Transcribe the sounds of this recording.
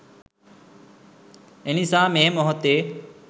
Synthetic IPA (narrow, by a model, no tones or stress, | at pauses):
enisãːmẽːmoɦot̪e